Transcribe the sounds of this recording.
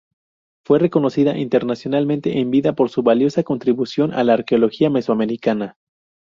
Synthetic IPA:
fwe̞re̞ko̞no̞siðaʔint̪e̞ɾnasjo̞nalmẽnt̪e̞ʔembiðapo̞ɾsuβaljo̞sako̞nt̪ɾiβusjo̞nʔa̰laːɾkeo̞lo̞xiame̞swame̞ɾikana

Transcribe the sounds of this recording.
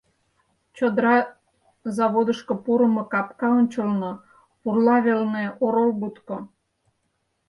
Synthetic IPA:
t͡ɕod̪ɾɑ | zɑβod̪əʃkŏpuɾə̆mokɑpkɑonʲt͡ɕəlno | purlɑβelneoɾolbut̪ko

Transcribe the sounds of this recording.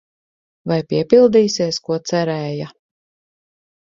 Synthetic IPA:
vajpiɛpilˠd̪iːsiɛskuɔt̪sæɾɛːja

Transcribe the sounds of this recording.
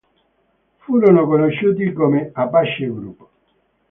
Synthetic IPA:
fuːɾonokonoʃːuːt̪̬ikomeapːaʃːeɡɾṵpː

